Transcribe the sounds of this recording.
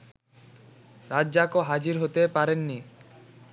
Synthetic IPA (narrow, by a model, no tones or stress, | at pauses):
ɾadd͡ʑakoɦad͡ʑiɾɦot̪epaɾenːi